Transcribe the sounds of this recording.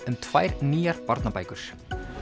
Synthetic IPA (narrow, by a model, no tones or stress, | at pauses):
ʏmt̪ʰvajɾniːaɾpaɾt̪napajkʏɾ̥s